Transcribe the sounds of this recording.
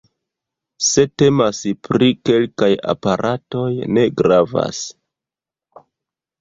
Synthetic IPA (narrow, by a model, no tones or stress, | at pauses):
se̞te̞maspɾike̞lkaja̰paɾʔato̞jne̞ɡɾava̰s